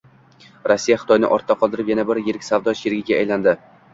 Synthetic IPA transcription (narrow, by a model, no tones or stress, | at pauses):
ɾɒsːijaχɪ̥t̪ʰɒjnɪ̰ʔɒɾt̪ʰːaqʰɒlˠd̪ɪɾɪpjanabɪɾjeɾkʲsavd̪ɒʃeɾɡʲɪɡʲaːjland̪ɪ